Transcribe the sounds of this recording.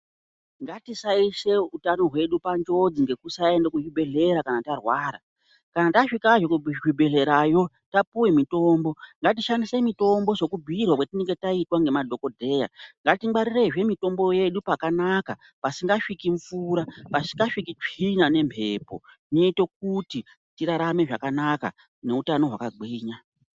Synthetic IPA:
ŋɡatisaise̞utano̞ɦwe̞ɗupand͡ʒo̞d͡ziŋɡe̞kusae̞ndekuʐibʱe̞ɮe̞ɾakanatarwaːɾa̰ | kanataʂikaʐekuʐibʱe̞ɮe̞ɾajo̞ | tapuwemito̞ːmbo̞ŋɡatiʃandisemito̞mbo̞ʐo̞kubʱirwakwetineŋɡetaitwaŋɡe̞madʱo̞ko̞dʱe̞ːja̰ŋɡatimɡ͡baɾire̞ʐe̞mito̞mbo̞je̞ɗupakanaka | pasiŋɡaʂikiɱfuːɾapasiŋɡaʂikit͡ʂinane̞mbʱe̞ːpo̞̰ | neite̞k̚uti | tiɾaɾame̞ʐakanaka̰ | ne̞utano̞ɦwakaɡ͡biːɲa

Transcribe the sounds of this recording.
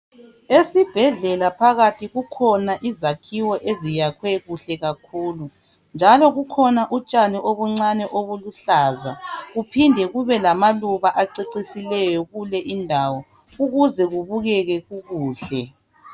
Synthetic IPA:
esib̥ʱɛɮɛlapʰaɣatʰiɣukʰɔnaʔizakʰiwɔʔezijakʰwɛɣuɬɛɣakʰuːlu | nd͡ʒʱalɔɣukʰɔnaʔut͡ʃʼaniʔoβuŋ͡ǀanɛʔoβuluɬaːzaɣupʰindʱɛɣuβɛlamaluβaʔaǀiǀisilɛjɔɣulɛʔindʱawɔ | uɣuzɛɣuβuɣɛɣɛɣuɣuːɬɛ

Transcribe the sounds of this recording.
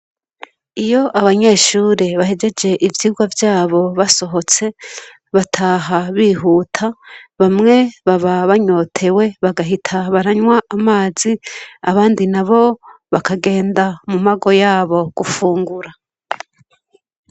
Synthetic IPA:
ijo̞ʔaβaɲe̞ːʃuːɾeβaɦed͡ʒe̞d͡ʒe̞ʔivjiːɡwavjaːβo̞βaso̞ɦo̞t͡se̞ | βatʰaːɦaβiːɦuːtʰaβamŋe̞βaβaβaɲo̞ːtʰe̞we̞βaɡaɦitʰaβaɾaɲwaːmaːziaβaːndinaβo̞βakaɡe̞ːndamumaɡo̞jaːβo̞ɡ̥ufuːŋɡuɾa

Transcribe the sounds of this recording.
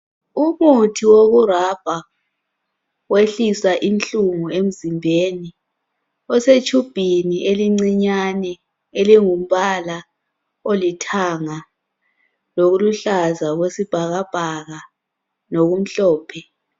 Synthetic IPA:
umutʰiwoɣurab̥ʱa | weɬisaʔinɬuŋuem̩zimbʱeːni | ɔset͡ʃʰʼub̥ʱiniʔeliŋ͡ǀiɲanɛ | eliŋum̩βala | olitʰaŋa | loɣuluɬazaɣwesib̥ʱaɣab̥ʱaɣa | noɣum̩ɬɔːpʰɛ

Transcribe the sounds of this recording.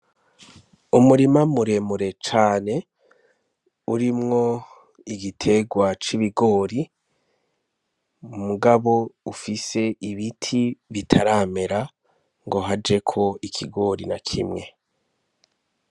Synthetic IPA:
umuɾimamuɾe̞muɾe̞t͡ʃaːne̞ | uɾimŋo̞ | iɡitʰe̞ɡwat͡ʃiβiɡo̞ːɾi | muɡaβo̞ufise̞ʔiβitʰiβitʰaɾaːme̞ɾa | ŋɡo̞ɦad͡ʒe̞kʰo̞ikʰiɡo̞ɾinakʰḭmŋe̞

